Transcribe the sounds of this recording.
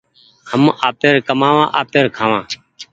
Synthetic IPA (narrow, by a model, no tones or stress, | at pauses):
həmaːpeːɾkəmaːʋãːʔaːpeːɾkʰaːʋãː